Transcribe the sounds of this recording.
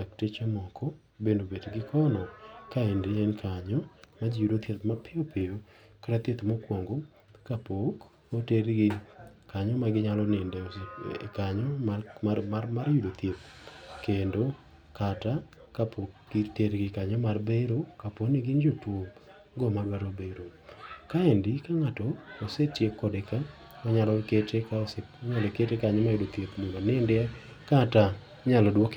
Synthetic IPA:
ak̚tet͡ʃemɔkʰɔ | bendobedɡɪkʰɔnɔkaendeenkʰaɲɔmad͡ʒijudot̪jet̪̚mapʰɪopɪjo | kaɾat̪et̪mɔkwoŋɡo | kapok | oteɾɡɪkaɲɔmaɡɪɲalɔnɪndɛskaɲɔmamamaɾjudot̪jet̪̚kendo | kata | kapʰoɡiteɾɡɪkaɲɔmarbeɾokaponiɡɪnd͡ʒotwo | ɡɔmadwaɾobeɾokaendɪkaŋatɔːsetjekːɔdeka | ɔɲalɔketekaoseɲalɔeketekaɲɔmajudot̪jetmunonɪndɛa | kata | ɲalɔdwok

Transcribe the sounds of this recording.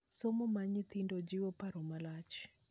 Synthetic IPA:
somɔmaɲit̪indɔd͡ʒiwɔpaɾɔmalat͡ʃi̥

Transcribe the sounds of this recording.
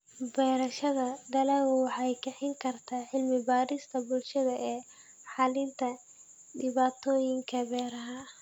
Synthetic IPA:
bɛːɾɐʃɐðɐd̪ɐlɐɣwɑħɑjkʰɛħɪŋkʰɐrt̪ʰaːħɪlmɪbaːɾɪst̪ʰɐbʊlʃɐðɐʔɛː | ħɑlɪnt̪ʰɐ | ɖɪβaːt̪ʰɔːjɪŋkʰɐbɛːɾɐɦɐ

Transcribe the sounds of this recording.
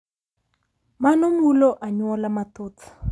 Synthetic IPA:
manɔmwuloʔaɲwɔlamatot͡s

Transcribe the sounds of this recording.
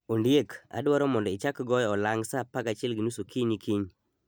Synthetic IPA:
ondjeka̰dwaɾɔmɔndɔɪt͡ʃakɡɔjɔɔlaŋɡsapakat͡ʃɪɛlɡinusokiɲikʰiɲ

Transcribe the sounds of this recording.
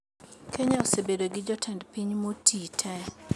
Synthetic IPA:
kʰeɲaosebedoɡɪd͡ʒɔtʰɛndpiɲmotʰitʰɛ

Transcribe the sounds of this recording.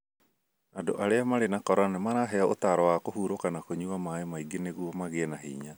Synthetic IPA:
ado̰ʔaɾeamaɾenakɔɾanɛmaɾaɦɛaotaɾɔwakohuɾokanakoɲuamaemaiɡeneɣuɔmaɣenaɦḭːɲa

